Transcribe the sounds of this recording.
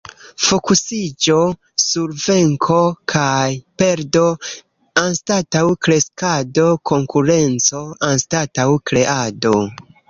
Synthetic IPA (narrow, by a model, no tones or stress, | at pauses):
fokusid͡ʒo̞ | suɾve̞ŋkʰo̞kʰajpe̞ɾdo̞ | anstatawkɾe̞skado̞kʰo̞ŋkuɾe̞nt͡so̞anstatawkɾe̞ʔado̞